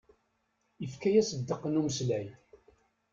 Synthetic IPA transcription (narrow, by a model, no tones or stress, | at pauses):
əfkæjæsəd̪ːəqːənuməslæj